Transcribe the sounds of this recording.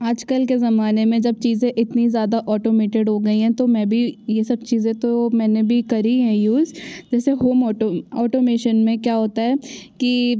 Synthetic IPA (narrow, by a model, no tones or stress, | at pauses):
aːd͡ʒkəlkezɐmaːnemẽd͡ʒɐb̚t͡ʃiːzẽʔɪt̪nizjaːd̪aʔɔːʈoːmeːʈeɖɦoɡɐiɦɛ̃t̪omɛ̃ːbʱijesɐb̚t͡ʃiːzẽt̪omɛ̃ːnebʱikɐɾiɦɛ̃juːzd͡ʒɛːseɦoːmɔːʈoɔːʈoːmeːʃənmẽkjaːɦoːt̪aɦɛːki